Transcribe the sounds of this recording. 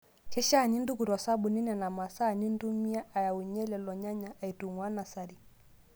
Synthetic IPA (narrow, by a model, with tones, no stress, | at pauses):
kɛ˦ʃa˦˨ni˦ndu˦ku˨ɾɔ˨sa˦bu˨ni˦nɛ˨na˨ma˨sa˦˨ni˦n˦du˦mi˦a˦ʔa˨ja˨u˨ɲɛ˦lɛ˨lɔ˨ɲa˦ɲa˨ʔa˨i˨tu˨ŋwa˦na˨sa˨ɾi˨